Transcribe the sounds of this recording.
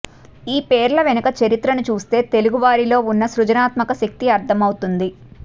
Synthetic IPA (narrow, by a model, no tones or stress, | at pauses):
iːpeːɾlɐʋenɐkɐt͡ʃɐɾit̪ɾɐnut͡ʃuːst̪e̞ːt̪e̞luɡuʋaːɾilo̞ːunːɐsɾud͡ʒɐnaːt̪mɐkɐʃɐk̚t̪iɐɾt̪ʰɐmɐwut̪und̪i